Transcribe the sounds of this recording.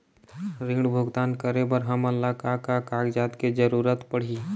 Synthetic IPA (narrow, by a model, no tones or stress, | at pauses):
ɾɪ̃ɡɽbʱʊɡt̪aːnkəɾebəɾɦəməlːakakakaːɡd͡ʒaːt̪ked͡ʒəɾuːɾət̪pəɽ̤iː